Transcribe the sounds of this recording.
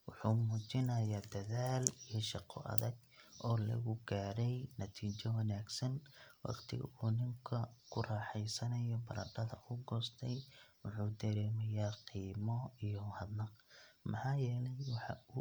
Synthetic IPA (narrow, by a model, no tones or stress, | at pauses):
wʊħuːmuːt͡ʃɪnɐjaːd̪ɐðaːlijɔʃɑqʰɔ̰ʔɐ̰ðɐɡ | ʔɔːlɐ̰ɣʊɡaːɾɛjnɐt̪ʰiːt͡ʃɔwɑnaːɡsɐnwɑ̰qt̪ʰɪ̰ɣɐ̰uːnɪŋkʰɐkʰʊrɑːħɛjsɐnɐjɔbɐɾɐɖɐðɐ̰ʔʊɡɔːst̪ʰɛjwʊħuːd̪ɐɾɛːmɐjaːqiːmɔijɔhɐd̪nɐqmɑħɑːjɛːlɛjwɑħɑ̰ʊ